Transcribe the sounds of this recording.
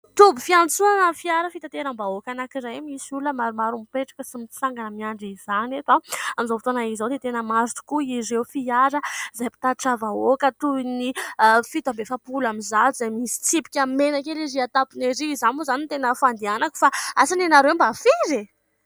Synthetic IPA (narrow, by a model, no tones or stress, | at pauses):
t̪ubifiant͡suanəfiaɾəfit̪at̪eɾambaokanakiɾajmisuləmaɾumaɾumipeʈ͡ʂḁkəsimit͡saŋɡanəmiaɳɖ͡ʐizaniet̪aamizofit̪onaizawd̪et̪enəmaɾʈ͡ʂu̥kuiɾewfiaɾəzajpi̥t̪aʈ͡ʂavaokət̪uinifit̪ambefapulamizazajmisi̥t͡sipi̥kʲamenakeɾeɾiat̪apineɾizanuzanint̪enəfand̪ianaku̥faasanenaɾewmbafiɾe